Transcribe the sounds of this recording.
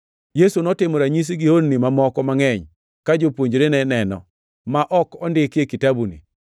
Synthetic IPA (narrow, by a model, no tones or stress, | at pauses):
jesunɔtɪmɔɾaɲis̬iɡihonnimamɔkɔmaŋɛɲ | kad͡ʒopwoɲd͡ʒɾenɛnɛnɔ̰ | maʔɔkɔndɪkekitabunḭ